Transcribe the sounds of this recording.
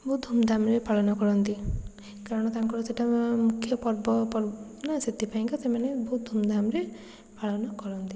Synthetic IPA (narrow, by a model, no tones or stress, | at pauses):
bɔɦut̪̚d̪ʱumd̪ʱamɾepaɭɔnɔkɔɾɔnt̪i | kaɾɔɽ̃ɔt̪aŋkɔɽɔseʈʰamukʰːjɔpɔɾbɔpɔɾ | nasit̪ːipaj̃ŋkɔsemanebɔɦut̪̚d̪ʱumd̪ʱamɾe | paɭɔnɔkɔɾɔnt̪i